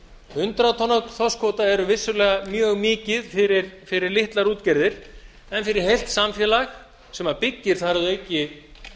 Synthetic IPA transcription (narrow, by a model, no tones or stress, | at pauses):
hʏnt̪ɾat̪ʰɔnak̪θɔskʰoːt̪aɛɾʏvɪsːʏlɛːɣamjœːɣmɪːcɪðfɪɾɪɾfɪɾɪɾlɪht̪laɾuːt̪cɛɾðɪɾ̥ | ɛnfɪɾɪɾ̥hejl̥t̪samfjɛːlax | sɛmapɪcːɪɾ̥θaɾðʏejcːɪ